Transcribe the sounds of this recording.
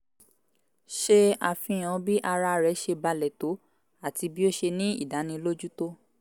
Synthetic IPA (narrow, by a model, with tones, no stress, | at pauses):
ʃe˧a˨fĩ˧j̃ã˨˧˦bi˦ʔa˧ɾa˧ɾɛ˨˦ʃe˧ba˧lɛ˨to˨˦ | a˦˨ti˧bi˦o˦ʃe˧nĩ˦ḭ˦˨da˨˦nĩ˧lo˦d͡ʒu˦to˦